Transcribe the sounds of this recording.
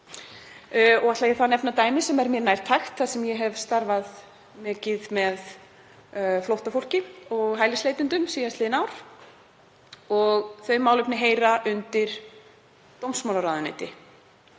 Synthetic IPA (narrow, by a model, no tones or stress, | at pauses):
ɔɣat̪lajɛθanɛpnat̪aːjmɪsɛmɛɾmjɛɾnajɾ̥t̪ʰːaxt̪θaðsɛmjɛɦɛvst̪aɾvað | mɛːcɪðmɛð | flowht̪afowl̥cɪɔɣɦaːjlɪslejt̪ʏnt̪ʏmsiːjat̪lɪðɪnawɾ̥ | ɔɣθœɥmaːwlʏpnɪɦeːjɾaʔʏnt̪ɪɾ̥ | t̪owmsmawlaɾaːðʏnḛjt̪ɪ